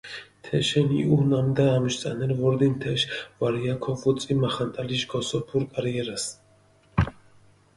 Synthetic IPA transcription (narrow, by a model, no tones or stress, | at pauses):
t̪ʰɛʃɛnḭuhnamd̪aːmʃt͡sʼanɛɾvɔɾd̪int̪ʰɛʃvaɾijakʰɔvɔt͡sʼimaχant̪ʼaliʃɡɔsɔpʰuɾkʼaɾjɛɾas